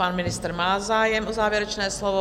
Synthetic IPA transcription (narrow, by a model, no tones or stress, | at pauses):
anmɪnɪst̪ɾmaːzaːjɛmʔozaːvjɛɾɛt͡ʃnɛːslovo